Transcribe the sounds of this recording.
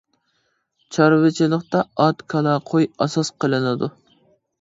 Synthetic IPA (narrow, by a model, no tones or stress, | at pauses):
t͡ʃʰɑɾvɨt͡ʃʰilˠəqt̪ɑɑt̪kʰɑlˠɑqʰojɑsɑsqəlˠɨnɨd̪u